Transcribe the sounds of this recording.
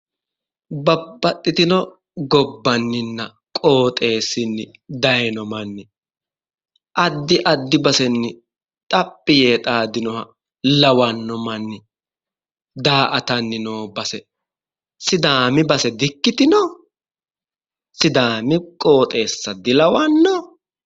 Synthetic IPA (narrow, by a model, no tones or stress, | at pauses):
bɐbːɐt̪ʼːɪt̪ɪnɔ | ɡɔbːɐnːɪnːɐ | kʼo̞ːt̪ʼe̞ːsɪnːɪ | d̪ɐjnɔmɐnːɪ | ʔɐd̪ːɪʔɐd̪ːɪbɐsɛnːɪ | t̪ʼɐpʼːɪjeːt̪ʼaːd̪ɪnɔhɐ | lɐwɐnːɔmɐnːɪ | d̪aːʔɐt̪ɐnːɪnoːbɐsɛ | sɪd̪aːmɪbɐsɛd̪ɪkːɪt̪ɪnɔ | sɪd̪aːmɪkʼo̞ːt̪ʼe̞ːsːɐd̪ɪlɐwɐnːɔ